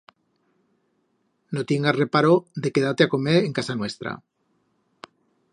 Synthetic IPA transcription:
not̪jeŋɡasre̞paɾoðe̞ke̞ðat̪eako̞meɾeŋkasanwe̞st̪ɾa̰

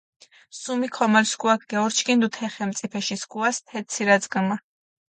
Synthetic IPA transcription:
sumikʰɔmalskʼuakʰɡɛɔɾt͡ʃʰkʰʼind̪ut̪ʰɛχɛmt̪sʼipʰɛʃiskʼuast̪ʰɛsʰiɾad̪zɡma

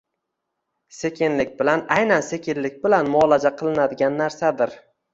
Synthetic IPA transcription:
sekʲɪnlɪk̚ʲbɪlanajnanse̞kʲɪnlɪk̚ʲbɪlanmʊɒlad͡ʒaqʰɨlˠɪnad̪ɪɡʲanːaɾsad̪ɪɾ

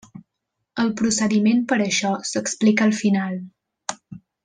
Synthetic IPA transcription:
əlˠpɾusəðimenpəɾəʃɔsəksplikəlˠfinalˠ

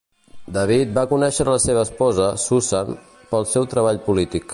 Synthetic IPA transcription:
d̪əβ̞it̪̚bakunɛʃəɾələseβ̞əːspɔzəsuzan | pəlˠsɛwt̪ɾəβ̞aʎpulit̪ik

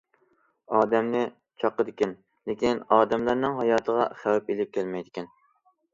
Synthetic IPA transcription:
ɑːd̪ɛmnɪ | t͡ʃʰɑqːəd̪ɪkʲɛn | lekʲinɑːd̪ɛmlˠɑɾnɨŋɦɑjɑːt̪ʰəʁɑ̰χæwɛpelɪp̚kʲælmɛjd̪ɪkʲʰɛn

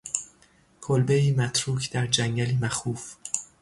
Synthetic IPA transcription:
kʰolbeiːmæt̪ʰɾuːkʰd̪̥æɾd͡ʒæŋɡæliːmæxuːf

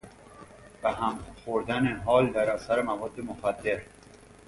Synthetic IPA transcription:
b̥æɦæmxoɾd̪æneɦɒːld̪æɾæsæɾemævɒːd̪ːemoxæd̪ːe̞ɾ

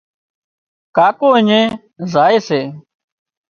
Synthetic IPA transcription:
kaːkõːəɲẽː | zaːeːseː

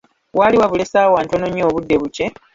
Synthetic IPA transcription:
waːliwaβule̞saːwaːntanoɲo̞ːβudːe̞βuce̞

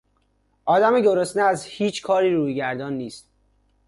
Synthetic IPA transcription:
ʔɒːd̪æmeɟoɾosneæzhiːt͡ʃʰkʰɒːɾiːɾuːjɟæɾd̪ɒːnːiːst̪̚

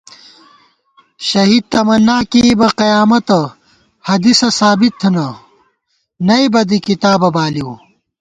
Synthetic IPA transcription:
ɕɐɦiːd̪̚t̪ɐmɐnːaːkibɐqɐjaːmɐt̪ɐ | hɐd̪isɐsaːbit̪ʰːunɐ | nɐibɐd̪ikit̪aːbɐbaːliwu

